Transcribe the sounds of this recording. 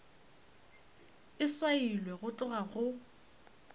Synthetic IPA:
ɪswailwɛɣʊt͡ɬʼʊɣaɣʊ

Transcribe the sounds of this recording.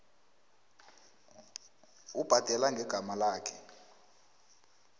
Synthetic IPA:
ub̥ʱad̥ʱɛlaŋɡʱɛɡ̥ʱamalaːkʰɛ

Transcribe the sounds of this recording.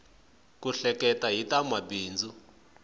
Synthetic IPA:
kuɬɛkɛtaɦitamabiːnd͡zu

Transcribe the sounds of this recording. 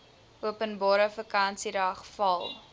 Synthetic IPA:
uəpənbɑːɾəfəkɐnsiɾɑːχfɐlˠ

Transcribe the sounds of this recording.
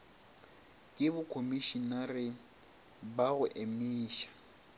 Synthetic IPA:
kʼɪbʊkʰomiʃinarɪ | baɣʊʔemiːʃḁ

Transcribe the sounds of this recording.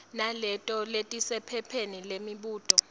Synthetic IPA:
nalɛtʼɔletʼisɛpʰɛpʰenilemiɓuːtʼɔ

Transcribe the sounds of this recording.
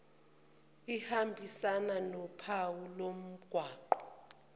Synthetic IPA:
ihambʱisananɔpʰawulom̩ɡ̥ʱwaːǃɔ̥

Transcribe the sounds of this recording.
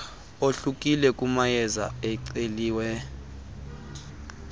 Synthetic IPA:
oɬukʼilɛkʼumajɛza̰ɛǀeliːwɛ

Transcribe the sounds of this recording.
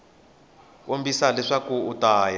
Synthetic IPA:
wombisalɛʂakuːtaːja

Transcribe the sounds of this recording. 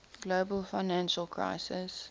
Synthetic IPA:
ɡ̥loːbəlfaɪnæ̃nʃəlkʰɹa̰ɪsɪs

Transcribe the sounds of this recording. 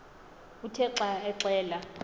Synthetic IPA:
utʰɛǁaɛǀɛːla

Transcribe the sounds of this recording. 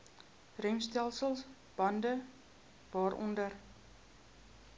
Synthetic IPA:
rœŋstælˠsəlˠs | b̥ɐndə | vɑːɾʔɔ̰ndər

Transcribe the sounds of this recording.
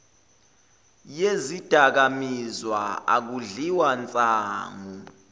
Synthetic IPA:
jezid̥ʱak̬amizwaa̰k̬uɮiwant͡sʼaːŋu

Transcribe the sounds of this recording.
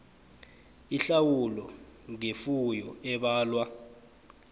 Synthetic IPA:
iɬawulɔŋefujɔɛɓaːlwa

